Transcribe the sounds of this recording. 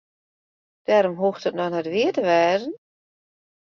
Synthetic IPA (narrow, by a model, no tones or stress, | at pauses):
d̥ɛːɾomɦuːxtətnɔnɛtʋɪətəʋɛːdən